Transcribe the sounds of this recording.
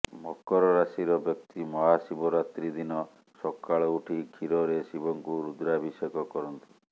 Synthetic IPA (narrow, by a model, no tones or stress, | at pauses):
mɔkɔɾɔɾasiɾɔbjɔk̚t̪imɔɦasibɔɾat̪ɾid̪inɔ | sɔkːaɭɔuʈʰikʰiɾɔɾesibɔŋkuɾud̪ɾabʱisekɔkɔɾɔnt̪i̥